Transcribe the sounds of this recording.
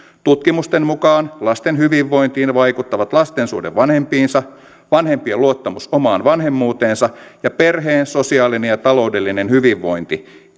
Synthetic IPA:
t̪ut̪kimust̪enmukɑːnlɑst̪enɦyʋiʋːo̞jnt̪iːnʋɑjkut̪ːɑʋɑt̪lɑst̪ensṵːdeʋʋɑnhe̞mpiːnsɑ | ʋɑnhe̞mpiɑluot̪ːɑmusomɑːnʋɑnɦe̞mːuːt̪e̞ːnsɑjɑperɦeːnso̞siɑːlinejɑt̪ɑlo̞ude̞lːinenhyʋiʋːo̞̰jnt̪i

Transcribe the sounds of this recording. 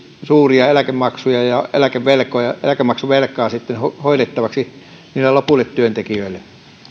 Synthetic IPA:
suːriɑelækemmɑksujɑjɑḛlækeʋʋelkˑojɑḛlækemɑksuʋelkːˑɑːsit̪ːenhohoiɾet̪ːɑʋɑksi | niːlːelopulːet̪t̪yønt̪ekiøilːe

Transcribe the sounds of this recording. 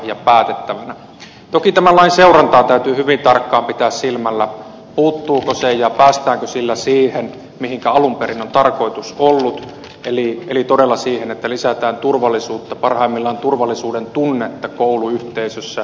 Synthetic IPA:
jɑpæːt̪et̪ːæʋænæ | t̪okit̪æmælːɑinseurɑnt̪ɑˑːt̪æyt̪yːhyʋint̪ɑrkːɑːmpit̪æːssilmælːæ | puːt̪ːuːkosejjɑpæːst̪æːŋkøsilːæsiːhen | mihiŋkæɑlumperinont̪ɑrko̞ˑit̪usolːut̪ | elielit̪odelːɑsiːhenet̪ːælisæt̪æːnt̪urʋɑlːˑisuːt̪ːɑpɑrhɑˑimːilːɑont̪urʋɑlːˑisuːdent̪unːet̪ːɑkoˑuluyht̪eisøsːæ

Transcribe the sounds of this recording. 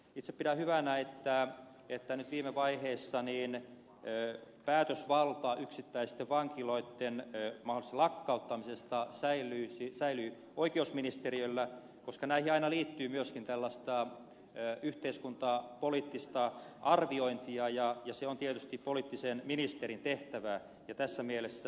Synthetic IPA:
it̪se̥piɾæhyʋænæet̪ːæ | et̪ːænyt̪ʋiːmeʋɑiheːsːɑniːn | ø | pæːt̪øsʋɑlt̪ɑʔyksit̪ːæist̪eʋʋɑŋkiloit̪ːenmɑholist̪lɑkːɑut̪ːɑmisest̪ɑsæilˑyːsisæily | oikeousminist̪eriølːæ | koskɑnæihiɑinɑliːt̪ːyːmyøskint̪ælːɑst̪ɑ | øyht̪eiskunt̪ɑpoliːt̪ːist̪ɑʔɑrʋioint̪iɑjɑjɑseont̪iet̪yst̪ippoliːˑt̪ːisenminist̪erint̪eht̪æʋæ | jɑt̪æsːæmielesːæ

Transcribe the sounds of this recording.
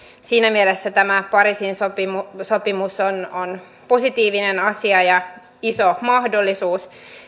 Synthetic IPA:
siːnæmielesːæt̪æmæpɑɾrisinsopimusopimusonon | posit̪iːʋinenɑsiɑjɑ | isomɑhdolːisuːs

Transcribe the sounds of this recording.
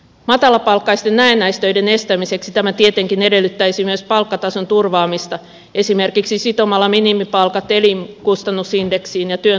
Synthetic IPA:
mɑt̪ɑlɑpɑlkːɑjst̪ennæenːæjst̪øide̞ne̞st̪æmiseksit̪æmæt̪iet̪e̞ŋkinedelːyt̪ːæjsimyøspɑlkːɑt̪ɑso̞nt̪urʋɑːmist̪ɑ | e̞sime̞rkiksisit̪omɑlːɑminimipɑlkɑt̪ːeliŋkust̪ɑnːusinde̞ksiːnjɑt̪yø

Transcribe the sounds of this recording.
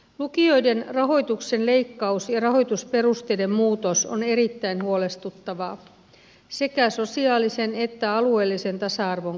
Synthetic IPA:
lukio̞jde̞nrɑɦo̞jt̪ukse̞nle̞jkːɑusjɑrɑɦo̞jt̪uspe̞rust̪ejde̞mmuːt̪o̞so̰ne̞ɾit̪ːæinhuo̞le̞st̪ut̪ːɑʋɑ | se̞kæso̞siɑːlise̞net̪ːæɑlue̞ːlːise̞nt̪ɑsɑɑrʋo̞ŋ

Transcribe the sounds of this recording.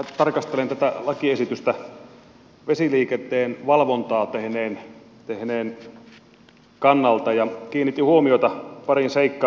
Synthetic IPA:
æt̪ɑrkɑst̪elent̪æt̪ælɑkiesit̪yst̪æ | ʋesiliːket̪ːˑeːnʋɑlʋont̪ɑːt̪ehneːn | t̪ehneːn | kɑnːɑlt̪ɑjɑkiːnːit̪ːihuomioit̪ɑpɑrinseikːɑː

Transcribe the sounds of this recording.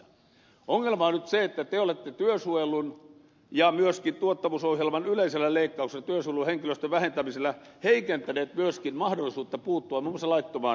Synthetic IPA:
oŋːelmɑonyt̪seet̪ːæt̪eolet̪ːet̪yøsuojelˑun | jɑmyøskint̪uot̪ːɑmusohjelmɑnyleiselːæleikːɑukselt̪yøsueluheŋkiløst̪øʋæhent̪æmiselːˑæ | heikent̪æneːt̪myøskinmɑhdolːˑisuːt̪ːɑpuːt̪ːuɑmimːosɑlɑit̪ːomɑ̰ː

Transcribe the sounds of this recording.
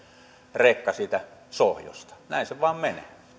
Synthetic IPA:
reˑkːɑsiːt̪æsohjo̰st̪ɑ̥næˑenseʋɑˑemmenḛ

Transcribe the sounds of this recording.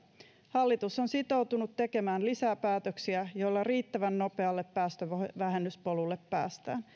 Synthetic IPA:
hɑlːit̪uso̞nsit̪o̞wt̪unut̪ːe̞ke̞mæːnlisæpæːt̪øksiæjo̞jlːɑriːt̪ːæʋænno̞pe̞ɑlːepːæːst̪øʋæɦe̞nːyspolulːepːæ̰ːst̪æ̰ːn

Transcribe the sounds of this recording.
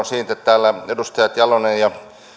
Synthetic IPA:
nsiːt̪ett̪æːlːæedust̪ɑjɑt̪jɑlonejjɑ

